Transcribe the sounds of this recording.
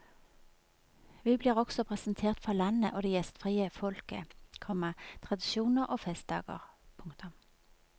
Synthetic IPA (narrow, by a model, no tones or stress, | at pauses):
ʋiːbliːʁɔɡ̥sɔpʰʁɛsnt̪ʰeːʁt̪fɔlɑnə̰ʔoːd̪ɛːjɛst̪fʁiːəfɔlkə̰kʰɔmət̪ʰʁɑd̪ɪʃuːnəʁʔoːfɛst̪̚d̪ɑ̰ːɡə̰ʁpʰʊŋkt̪ʊm